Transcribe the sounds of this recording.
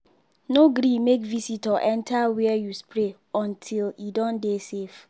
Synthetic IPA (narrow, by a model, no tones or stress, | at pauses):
noɡɾimekvisitɔʔɛ̃ntʰawɛɛjuspɹe | ɔ̃ntʰiljidɔ̃ndesef